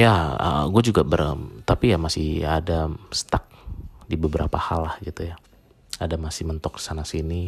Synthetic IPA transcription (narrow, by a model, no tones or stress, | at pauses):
jaə̰ɡuad͡ʒuɡabərt̪apijamasɪhadasə̥t̪ak̚dibəbəɾa̰pahalːahɡit̪uja | adamasɪhmənt̪ɔk̚di̥sanasini